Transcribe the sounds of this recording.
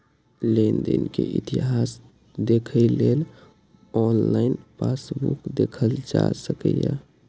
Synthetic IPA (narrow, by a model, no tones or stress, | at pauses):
lend̪inkeʔit̪iɦas | d̪ekʰəɪlel | ɔnlaɪnpasbukd̪ekʰəld͡ʒasəkəja